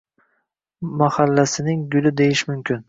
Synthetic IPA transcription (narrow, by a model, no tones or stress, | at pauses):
mahalːasɪnɪŋɡʊlɪd̪e̞jɪʃmʊmkʲʰɪn